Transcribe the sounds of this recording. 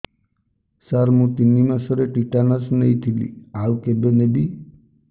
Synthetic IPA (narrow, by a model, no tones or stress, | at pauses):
saɾmũt̪inːimãsəɾeʈiʈanəsnəĩt̪ʰilḭawkebenebi